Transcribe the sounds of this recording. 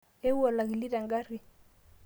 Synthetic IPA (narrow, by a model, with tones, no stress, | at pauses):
e˦u˦a˨la˨ɣi˨li˦ɾa˨ŋɡa˦ɾi˨